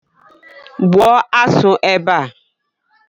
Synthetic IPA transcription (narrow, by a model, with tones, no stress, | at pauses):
bwɔ˦a˦sʊ˨ʔɛ˦ba˦˨